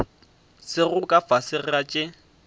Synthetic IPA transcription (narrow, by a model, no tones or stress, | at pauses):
sɪɣʊkʼafasɪrat͡ʃʼɪ